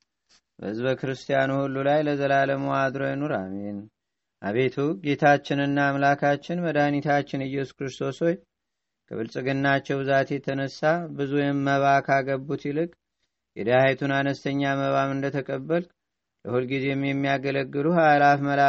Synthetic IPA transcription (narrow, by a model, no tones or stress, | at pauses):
bə̰ɨzβəkɨɾɨst̪ʰijanuhulːulajləzəlaləməwad̪ɾojɛnuɾa̰men | ʔa̰βe̞t̪ʰuɡe̞t̪ʰat͡ʃːɪnɨnːaːmlakʰat͡ʃːɪnməd̪anit̪ʰat͡ʃːɪnɨjːɛsu̥kɾɨst̪ʰo̞sho̞j | kʰə̰βɨlsʼɨɡɨnːat͡ʃːɛwbɨzat̪jɛt̪ʰənəsːabɨzujɛmːəβakʰaɡəbːut̪jilɨkʼ | jɛd̪aajt̪ʰunanəst̪ʰəɲːaməβamɨnd̪ət̪ʰəkʼəbːəl | ləhulɡize̞ɛmjɛmːijaɡələɡːɨluhalafməla